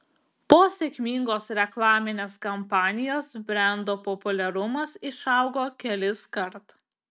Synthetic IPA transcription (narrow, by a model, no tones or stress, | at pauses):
poːsʲɛkʲmʲiŋɡoːsɾʲɛklˠɑːmʲɪnʲeːskɐmpɑːnʲɪjoːsbʲɾʲɛˑnd̪oːpɔpʊlʲɛɾʊmɐsɪʃɐʊɡoːkʲɛlʲɪskɐɾt̪